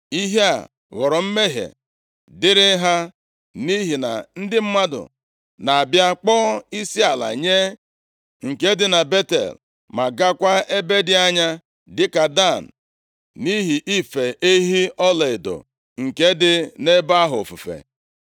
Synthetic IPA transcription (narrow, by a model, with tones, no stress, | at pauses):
i˦ɦe˦a̰˨ | ɣɔ˨ɾɔ˨m̩˦me˦ɦḛ˨ | dɪ˦ɾɪ˦ɦa˦ | ni˦ɦi˨na̰˨n̩˦dɪ˦m̩˦ma˦dʊ̰˨ | na˨a˨bja˦k͡pɔː˦i˦si˦a˨la̰˨ɲe˦ | ŋ̩˨ke˦dɪ˦na˨be˦tḛ˨l | ma˨ɡa˦kʷa˦e˦be˦dɪ˨a˦ɲa˦ | dɪ˦ka˨da˦˨n̩˨ | ni˦ɦi˨ʔi˦fe˨ʔe˦ɦi˦ɔ˦le˨ɪ˨do̰˨ | ŋ̩˨ke˦dɪ˦ne˦ba˦ɦʊ˨fu˨fḛ˨